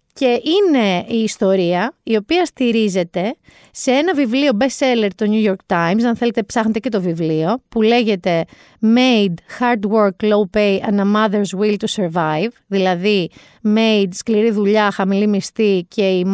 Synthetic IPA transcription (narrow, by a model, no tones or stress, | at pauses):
ce̞ʔine̞iːst̪o̞ɾiɐio̞piɐst̪iɾize̞t̪e̞ | se̞e̞nɐvivlio̞be̞se̞le̞ɾt̪o̞ɲujo̞ɾk̚t̪ajmsɐnθe̞le̞t̪e̞psɐxne̞t̪ece̞t̪o̞vivlio̞pule̞ʝe̞t̪e̞ | mejd̪xɐɾd̪woɾklowpejɐnɐmɐðeɾzwilt̪useɾvajvðilɐði | mejd̪skliɾiðuʎɐxɐmilimist̪icʰe̞im